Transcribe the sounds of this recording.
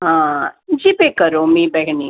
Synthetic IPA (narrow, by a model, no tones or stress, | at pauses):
ɦãd͡ʒipekəɾomĩbɛɡni